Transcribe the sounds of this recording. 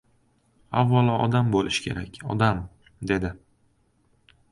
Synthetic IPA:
avːalˠɒʔɒ̰d̪ambolɪʃkʲʰe̞̰ɾakʲʰɒ̰d̪am | d̪e̞d̪ɪ

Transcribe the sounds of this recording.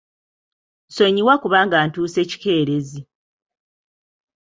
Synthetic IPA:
nso̞ɲiwakuβaːŋɡaːntuːse̞ːci̥ke̞ːɾe̞zi

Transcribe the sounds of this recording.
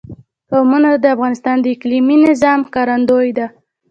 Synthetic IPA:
awmunad̪əafɣɑnɪst̪ɑnd̪əɪkliminɪzɑmkɑɾand̪ojd̪a

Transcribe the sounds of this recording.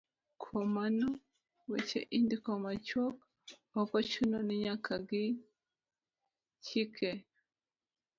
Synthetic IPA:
kʰomano | wet͡ʃḛʔindikomat͡ʃok | akwat͡ʃunoniɲakʰaɡi | t͡ʃikʰe

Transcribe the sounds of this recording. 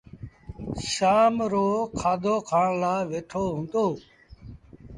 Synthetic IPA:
ʃaːmɾoːkʰaːd̪ʱoːkʰaːɳlaːʋeːʈʰoːɦʊ̃nd̪oː

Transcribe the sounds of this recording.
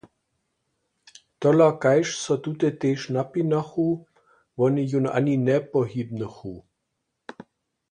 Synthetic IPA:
t̪ɔlakajʃsɔt̪ut̪ɛt̪eːʃnapinaxu | ʋɔnəjuna̰nʲinɛpɔɦibnəxu

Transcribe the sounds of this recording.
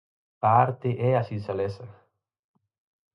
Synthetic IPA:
paaɾt̪eʔɛasinsalɛsa

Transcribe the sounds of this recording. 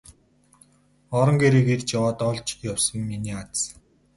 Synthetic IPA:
ɔɾɞ̆ŋɡeɾeːkert͡ɕjawaːt̪ɔɮt͡ɕjawsə̆ŋːiniːat͡s

